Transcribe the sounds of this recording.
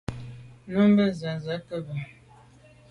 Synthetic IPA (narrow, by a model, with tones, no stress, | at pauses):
no˦m˦bə˦zə˨zə˨˦kə˦bə˨